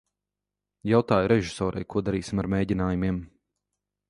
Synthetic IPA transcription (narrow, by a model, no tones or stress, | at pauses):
jawt̪aːjɾɛʒisɔːɾʔa̰jkuɔd̪aɾiːsimaɾmeːɟinaːjumiɛm